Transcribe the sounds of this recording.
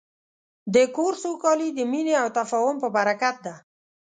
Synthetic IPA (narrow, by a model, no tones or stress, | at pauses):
d̪əkoɾsokɑlid̪əmineawt̪afɑhʊmpəbaɾakat̪̚d̪a